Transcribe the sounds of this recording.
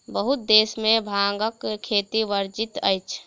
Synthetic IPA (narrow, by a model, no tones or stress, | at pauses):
bəɦut̪̚d̪eːsmẽbʱaŋɡəkkʰːet̪iʋəɾd͡ʒit̪ə̰jt͡ʃʰ